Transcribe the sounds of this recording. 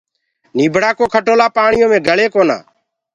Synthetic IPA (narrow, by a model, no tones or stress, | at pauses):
niːbʱɽaːkoːkʰəʈoːlaːpaːɳɪjõːmẽːɡʱəɭeːkoːna̰ː